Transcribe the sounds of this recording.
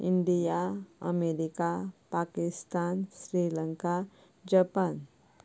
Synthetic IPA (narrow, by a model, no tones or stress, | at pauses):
ḭɳɖijaə̰meɾikapakist̪ansɾiləŋka | d͡ʒəpan